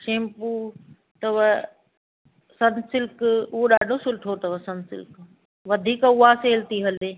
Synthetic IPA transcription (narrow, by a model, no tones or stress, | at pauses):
ʃeːmpuː | t̪ɐʋɐ | sɐnsɪlkʊɦoɗaːɖʱosʊlʈʰot̪ɐʋɐsɐ̃nsɪ̰lk | ʋɐd̪ʱiːkaʊaseːlt̪iɦɐleː